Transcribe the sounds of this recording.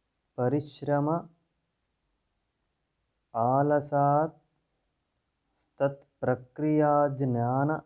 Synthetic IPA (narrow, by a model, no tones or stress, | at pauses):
pɐɾiʃɾɐmɐ | aːlɐsaːt̪̚ | st̪ɐt̪pɾɐkɾijaːd͡ʒnjaːnɐ